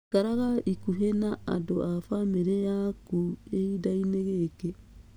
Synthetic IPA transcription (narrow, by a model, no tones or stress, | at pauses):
kaɾaɣaikuɦenaa̰doʔafameɾejakueidaineɣeke